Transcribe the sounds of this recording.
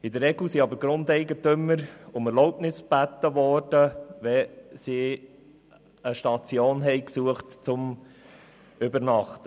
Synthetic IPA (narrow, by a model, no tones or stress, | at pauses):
ɪd̪əɾːɛɡl̩siɑbəɾɡ̥ɾʊnd̪ɛɪɡətʏmːəɾʊmɛɾloʊpnɪsb̥æt̪ːəʋɔːɾd̥əʋɛsi | əʃtɑt͡sjoːnɦɛɪksuəχtt͡sʊm | ʏbəɾnɑχt̪ə